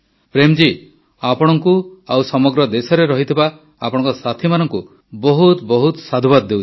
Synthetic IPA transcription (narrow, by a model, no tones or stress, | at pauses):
pɾemd͡ʒi | apɔɽ̃ɔŋkuawsɔmɔɡɾɔd̪esɔɾeɾɔɦit̪ʰiba | apɔɽ̃ɔ̃ŋkɔsat̪ʰimanɔŋku | bɔɦut̪bɔɦut̪sad̪ʱubad̪ːew